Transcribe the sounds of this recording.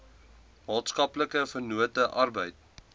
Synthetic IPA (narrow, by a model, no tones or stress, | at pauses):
mɑːtskɐpləkəfərnuətəʔɐrbəjt̚